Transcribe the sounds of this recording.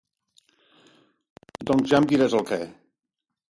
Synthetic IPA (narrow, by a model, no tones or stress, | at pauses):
d̪ɔŋzʒamd̪iɾɛzəlˠkɛ